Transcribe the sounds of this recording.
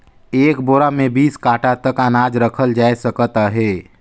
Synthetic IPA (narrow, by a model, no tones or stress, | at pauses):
eːkboːɾamẽbiːskaːʈat̪əkanaːd͡ʒɾəkʰəld͡ʒaːesəkət̪aɦɛː